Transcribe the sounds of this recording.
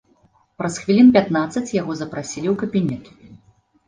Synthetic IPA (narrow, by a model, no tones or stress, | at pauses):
pɾɐsxvʲilʲinpʲat̪nat̪sːɐt͡sʲjaɣɔzɐpɾasʲilʲiwkɐbʲinʲɛt̪